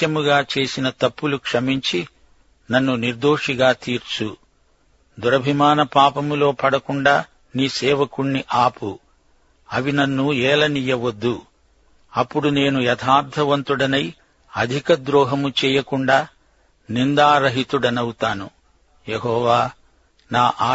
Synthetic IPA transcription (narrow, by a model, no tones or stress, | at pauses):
t̪jɐmuɡaːt͡ʃe̞ːsinɐt̪ɐpːulukʂɐmiɲt͡ʃi | nɐnːuniɾd̪o̞ːʂiɡaːt̪iːɾt͡ʃu | d̪uɾɐbʱimaːnɐpaːpɐmulo̞ːpɐɽɐkuɳɖaː | niːsɛːʋɐkuɳːiʔaːpu | ɐʋinɐnːuɛːlɐnijɐʋod̪ːu | ɐpːuɽune̞ːnujɛt̪ʰaːɾt̪ʰɐʋɐnt̪uɽɐnɐj | ɐd̪ʱikɐd̪ɾɔːɦɐmut͡ʃɛːjɐkuɳɖaː | nind̪aːɾɐɦit̪uɽɐnɐwut̪aːnu | jeɦɔːʋaː | naːʔaː